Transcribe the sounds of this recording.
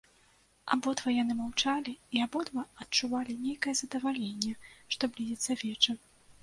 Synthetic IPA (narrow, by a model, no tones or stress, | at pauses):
a̰bɔd̪vɐjanɨmawt͡ʂalʲiiabɔd̪vɐɐt̪̚t͡ʂuvalʲinʲejkɐjɛzɐd̪ɐvalʲenʲːɛʂt̪ɔblʲizʲɛt̪sɐvʲɛt͡ʂɐ